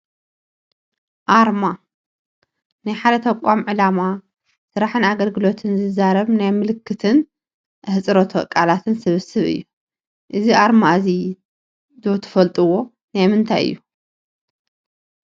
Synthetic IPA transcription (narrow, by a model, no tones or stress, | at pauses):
ʔaɾma | najħad̪ɐt̪ʰɐkʷʼːamʕɨlama | sɨɾaħɨnaɡɐlɡɨlo̞t̪ʰɨnzɨzaɾɐβnajmɨlɨkʰːɨt̪ʰɨn | hɨt͡sʼɾot̪ʰokʼalat̪ʰɨnsɨβɨsɨβɨ̰jːu | ʔɨziʔaɾmazi | d̪o̞t̪ʰɐ̥fɐlt̪ʼɨwo̞ | najmɨnt̪ʰajɨ̰jːu